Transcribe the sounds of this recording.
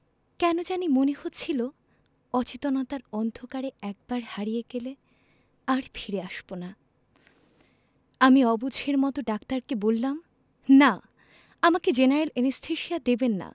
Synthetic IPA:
kɛnod͡ʑanimonehot̪ːt͡ɕʰilo | ɔt͡ɕit̪onat̪aɾɔnd̪ʱokaɾeɛk̚baɾhaɾijeɡele | aɾfʰiɾeaʃb̥ona | amiɔbud͡ʑʱeɾmɔt̪oɖakt̪aɾkebolːam | na | amaked͡ʑenaɾelenist̪ʰeʃiad̪ebenːa̰

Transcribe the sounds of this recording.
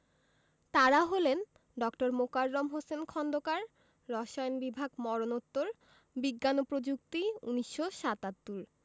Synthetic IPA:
t̪aɾaɦolen | ɖɔkʈoɾmokaɾːomɦosenkʰɔnd̪okaɾː | ɔʃajnbibʱaɡmɔɾonot̪ːoɾ | biɡːanopɾod͡ʑuk̚t̪iṵniʃːoʃat̪at̪ːuɾ

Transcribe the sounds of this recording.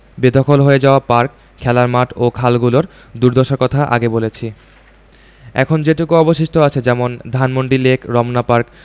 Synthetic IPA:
bed̪ʱokʰolɦoed͡ʑaoapaɾk | kʰːɛlaɾmaʈokʰalɡuloɾ | d̪uɾd̪oʃaɾkɔt̪ʰaʔa̰ɡebolet͡ɕʰi | ɛ̰kʰond͡ʑeʈukuɔboʃiʃʈʰoat͡ɕʰed͡ʑɛmond̪ʱanmoɳɖilekʰɾɔmnapaɾk

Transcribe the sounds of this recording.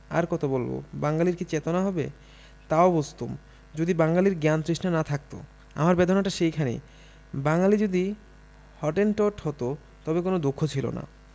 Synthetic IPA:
a̰ɾkɔt̪ʰobolbo̰baŋɡaliɾkit͡ɕet̪onaɦɔbḛ | t̪aobost̪om | d͡ʑod̪ibaŋɡaliɾɡant̪ɾiʃnanat̪ʰak̚t̪o̰ | a̰maɾbed̪ʱonaʈaʃejkʰanḭ | baŋalid͡ʑod̪i | hɔʈenʈɔʈɦɔt̪o | t̪ɔbekonod̪ukʰːot͡ɕʰilo̰na̰

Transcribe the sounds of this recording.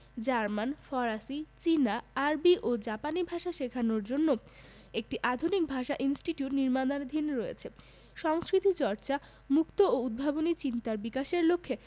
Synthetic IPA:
d͡ʑaɾmanfɔɾasit͡ɕinaaɾbiʔod͡ʑapanibʱaʃaʃekʰanoɾd͡ʑonːo | ek̚ʈiʔad̪ʱunik̚bʱaʃaʔinsʈiʈiuʈniɾmad̪aned̪ʱinɾojḛt͡ɕʰe | ʃɔŋskɾit̪ʰit͡ɕɔɾt͡ɕa | mukt̪ooud̪̚bʱabonit͡ɕint̪aɾbikaʃeɾlokʰːe

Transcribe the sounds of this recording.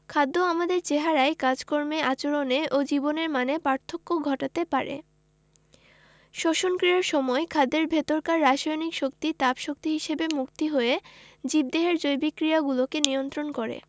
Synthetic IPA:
kʰad̪ːoamad̪eɾt͡ɕeɦaɾaekad͡ʑkoɾmeat͡ɕoɾoneʔod͡ʑiboneɾmanepaɾt̪ʰːokːoɡʱɔʈat̪epaɾḛ | ʃoʃonkɾiɾaɾʃɔmɔekʰad̪eɾbʱet̪oɾkaɾːaʃojnikʃokt̪it̪apʃok̚t̪iɦiʃebemukt̪iɦoed͡ʑib̚d̪eɦeɾd͡ʑojbikːɾijaɡulokenijont̪ɾonkɔɾḛ

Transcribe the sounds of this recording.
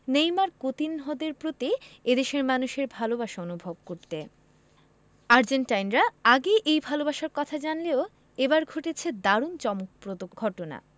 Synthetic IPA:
nejmaɾkot̪inɦod̪eɾpɾot̪ied̪eʃeɾmanuʃeɾbʱalobaʃaonubʱob̚koɾt̪e | aɾd͡ʑenʈajnɾaaɡeʔejbʱalobaʃaɾkɔt̪ʰad͡ʑanleo | ebaɾɡʱoʈet͡ɕʰed̪aɾunt͡ɕɔmok̚pɾod̪oɡʱɔʈona̰

